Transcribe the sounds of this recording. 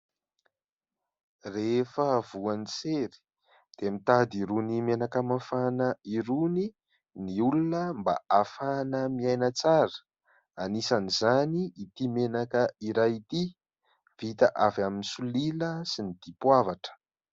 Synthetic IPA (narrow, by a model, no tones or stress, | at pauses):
refəvuanit͡seɾi̥ | d̪̥eamit̪ad̪iɾunimenakamafanəiɾuni | niulunəmba̰ʔafanəmiajnat͡saɾə̥ | anisanizaniit̪imenakəiɾajit̪i | v̥it̪aʔavaminisuliləsinid̪̥ipwavaʈ͡ʂə̥